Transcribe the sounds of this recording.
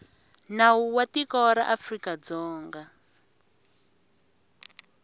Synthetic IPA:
nawuwatikɔɾaʔafrikad͡zɔːŋɡa

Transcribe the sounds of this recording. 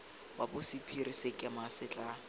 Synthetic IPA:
wabʊsipʰirisekʼamasɪt͡ɬʼa

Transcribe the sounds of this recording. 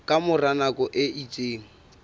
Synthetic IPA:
kʼamʊranakʼɔʔɪit͡sʼeːŋ̩

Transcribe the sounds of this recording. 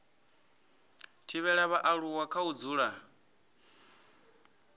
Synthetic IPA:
tʰiβɛɺaβaʔaɺuwakʰaud͡zuːɺa

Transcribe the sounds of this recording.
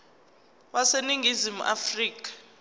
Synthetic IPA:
waseniŋʱizimuʔafriːk̬ʼḁ

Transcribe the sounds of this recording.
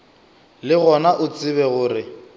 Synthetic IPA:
lɪɣɔnaʔʊt͡sʼɪβɛɣʊːrɪ

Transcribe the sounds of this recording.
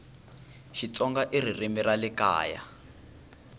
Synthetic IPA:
ʃit͡sɔŋɡaʔir̤irimiralika̰ːja̰

